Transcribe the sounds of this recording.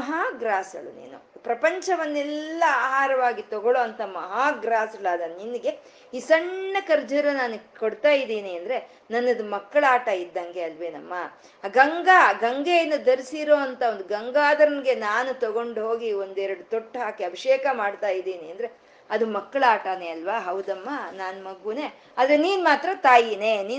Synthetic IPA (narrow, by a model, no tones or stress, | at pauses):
mɐɦaːɡɾaːsɐɭṵnḭːnṵpɾɐpɐɲt͡ʃɐʋɐnːɛlːɐaːɦaːɾɐʋaːɡit̪ɔɡoɭoːɐnt̪ɐmɐɦaːɡɾaːsɐɭaːd̪ɐninːiɡe̞ | iːsɐɳːɐkɐɾd͡ʒɐɾɐnaːnukoɽt̪aːjid̪iːniɐnd̪ɐɾe̞ | nɐnːɐd̪umɐkːɐɭaːʈɐid̪ːɐŋɡe̞ɐlʋenɐ̰mːɐ | ɡɐŋɡaɡɐŋɡejɐnːɐd̪ɐɾisiɾoːɐnt̪ʰɐond̪uɡɐŋɡaːd̪ɐɾɐnɡe̞naːnut̪ɐɡo̞ɳɖɦo̞ːɡio̞nd̪ɛɾɐɽut̪oʈːɦaːkiɐbʱiʂɛːkɐmaːɖt̪aːjid̪iːniɐnd̪ɐɾe̞ | ɐd̪umɐkːɐɭaːʈɐneɐlʋaːɦɐwd̪ɐmːɐnaːnmɐɡune̞ | ɐːd̪ɾeniːnmaːt̪ɾɐt̪aːjineniː